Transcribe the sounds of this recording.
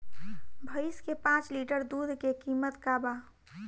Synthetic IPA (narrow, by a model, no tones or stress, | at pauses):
bʱəɪskepãːt͡ʃliːʈəɾd̪uːd̪ʱkekiːmət̪kaːba